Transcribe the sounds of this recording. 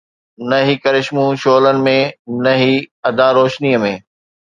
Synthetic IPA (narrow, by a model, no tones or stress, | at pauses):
nɐɦiːkɐɾɪʃmũʃoːlənɪ̆mẽnɐɦiːɐd̪ʱãːɾoːʃniːəmẽː